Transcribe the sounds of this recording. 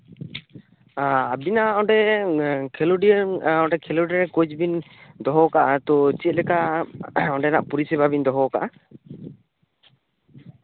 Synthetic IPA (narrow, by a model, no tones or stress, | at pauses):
aabinaʔɔɖɛ | kʰɛluɖinɔ̃ɖɛkʰɛluɖinɛkod͡ʒbin | d̪ɔɦɔkaʔat̪ɔt͡ʃɛt̪̚lɛka | ɔɖɛnaʔpuɾisɛbabind̪ɔɦɔkaʔa